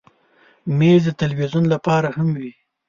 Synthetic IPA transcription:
mezd̪ət̪alwizunlapɑɾahamwi

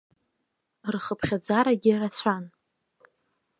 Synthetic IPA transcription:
rχəpʰχʲad͡zaɾaɡʲɪrat͡ɕʷʰan

